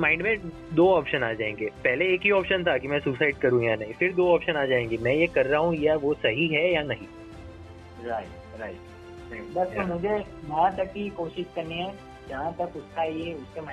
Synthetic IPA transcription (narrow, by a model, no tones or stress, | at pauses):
mãːɪ̃ɳɖmẽ | d̪oːɔːpʃənaːd͡ʒaːẽːŋɡeːpɛɦleeːkɦiɔːpʃənt̪ʰakimɛ̃suːsaɪɖ̚kɐɾũjanɐɦĩfɪɾd̪oːɔːpʃənaːd͡ʒaːẽːŋɡemɛ̃jekɐɾːaɦũjaʋosɐɦiɦɛjanɐɦĩ | ɾaɪt | ɾaɪʈ | ɛ̃bɐsomʊd͡ʒʱe | jɐɦãt̪ɐkːikoːʃɪʃkɐɾniɦɛ̃ | d͡ʒɐɦãt̪ɐkʊskaeʊskemɛ